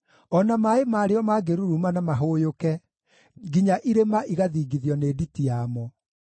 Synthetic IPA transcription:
ɔnamaemaːɾeɔmaɡeɾuɾumanamaɦojokɛ | ɡiɲaʔiɾemaʔiɣaðiːɡiðjɔneːditiamɔ

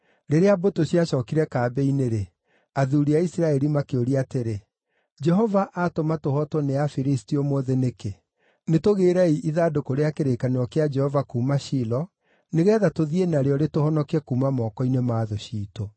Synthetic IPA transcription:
ɾeɾeabotoɕiaɕɔːkiɾɛkaːbɛineɾe | aðuɾiaisiɾaɛɾimakeoɾiateɾe | d͡ʒɛɦɔvaʔatomatohɔtwɔneafiɾistiɔmɔðeneke | netoɣeːɾaiʔiðaːdokoɾeakeɾeːkaneɔkead͡ʒɛhɔvakuːmaɕilɔ | neɣɛːðatoðienaɾeɔɾetohɔnɔkeɛkuːmamɔːkɔinemaːðoɕiːto

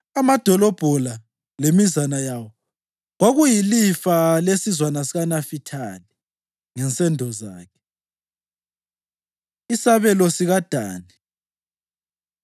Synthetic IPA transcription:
amad̥ʱɔlɔb̥ʱɔla | lemizanajawɔ | ɣoɣujilifalesizwanasiɣanafitʰali | ŋɛnt͡sʼɛndʱɔzaːkʰɛ̥ | isaβɛlɔsiɣad̥ʱaːni

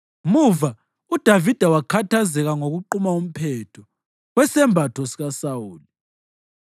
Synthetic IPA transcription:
muva | ud̥ʱavid̥ʱawakʰatʰazɛɣaŋoɣuǃumaum̩pʰɛtʰɔ | ɣwɛsɛmbʱatʰosiɣasawuːli

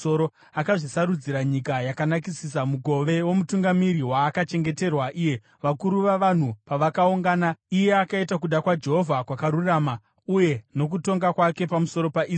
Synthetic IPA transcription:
oɾo | akaʐisaɾud͡ziɾaɲikajakanak̬isis̬amuɡʱo̞ʋe̞wo̞mutuŋɡamiɾiwaːkat͡ʃe̞ŋɡe̞te̞rwaʔiːje̞ | ʋakuɾuʋaʋan̤upaʋakauŋɡaːnaije̞akaitakuɗakwad͡ʒe̞ɦo̞vʱakwakaɾuraːma | uje̞no̞k̬uto̞ŋɡakwake̞pamuso̞ɾo̞paʔiː

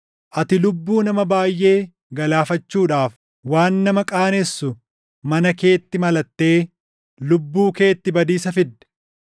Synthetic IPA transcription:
ʔɐt̪ɪlʊbːuːnɐmɐbaːjːe̞ː | ɡɐlaːfɐt͡ʃːuːᶑaːf | waːnːɐmɐkʼaːnɛsːʊ | mɐnɐke̞ːt̪ːɪmɐlɐt̪ːe̞ː | lʊbːuːke̞ːt̪ːɪbɐd̪iːsɐfɪd̪ːɛ̥

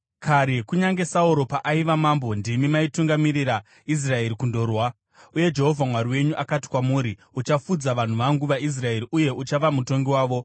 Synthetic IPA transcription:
kʰaɾekuɲaŋɡe̞sauɾo̞paʔaiʋamambo̞ndimimaituŋɡamiriɾa | is̬rae̞ɾikundo̞rwa | uje̞d͡ʒe̞ɦo̞vʱamwaɾiwe̞ɲuʔakati̥kwamuːɾi | ut͡ʃafud͡zaʋan̤uʋaŋɡuʋais̬rae̞ɾiʔuje̞ʔut͡ʃaʋamuto̞ŋɡiwaːʋo̞

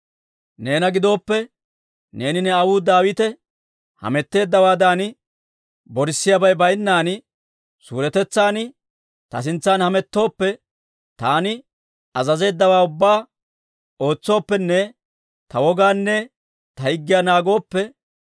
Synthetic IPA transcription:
ne̞ːnɐɡɪd̪o̞ːpːɛ | ne̞ːnɪnɛɐwuːd̪aːwɪt̪ɛ | hɐ̰mɛt̪ːe̞ːd̪ːɐwaːd̪aːn | bɔɾɪsːɪjɐbɐjbɐjnːaːnɪ | sṵːɾɛt̪ɛt͡sːaːnɪ | t̪ɐ̰s̬ɪnt͡sːaːnhɐmɛt̪ːo̞ːpːɛ | t̪aːnɪ | ɐzɐze̞ːd̪ːɐwaːʊbːaː | o̞ːt͡sːo̞ːpːɛnːɛ | t̪ɐwɔɡaːnːɛ | t̪ɐhɪɡːɪjaːnaːɡo̞ːpːɛ

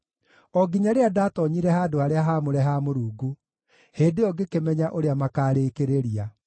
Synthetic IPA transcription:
ɔɡiɲaɾeadaːtɔɲiɾɛɦaːdoaɾeaɦaːmoɾɛɦamoɾuːɡu | heːdeɔɡekemɛɲaʔoɾeamakaːɾeːkeɾeɾia

